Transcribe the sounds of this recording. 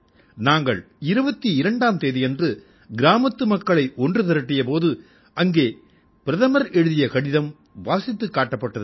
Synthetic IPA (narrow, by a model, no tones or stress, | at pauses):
naːŋɡɐɭ | ɪɾɯbɐt̪ːiɪɾɐɳɖaːmt̪eːðɪjɛndrɯ | ɡɪɾaːmɐt̪ːɯmɐkːɐɭɐɪʔɔndrɯt̪ɐɾɐʈːɪjɐpoːðɯ | ɐŋɡeː | pɪɾɐðɐmɐɾɛɻɯðɪjɐkɐɽɪðɐm | ʋaːsɪt̪ːɯkːaːʈːɐpːɐʈːɐðɯ